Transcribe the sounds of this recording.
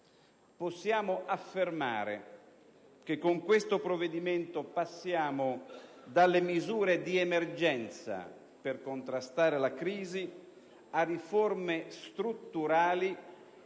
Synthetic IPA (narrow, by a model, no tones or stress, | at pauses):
posːjaːmoʔafːerma̰ːɾḛ | k̟ekːoŋkwest̪opɾovːed̪iment̪opasːjaːmod̪alːemizuːɾed̪iemerd͡ʒɛnt̪sa̰ | perkont̪ɾast̪aːɾelakɾiːzi | ariformest̪ɾut̪ːuɾaːli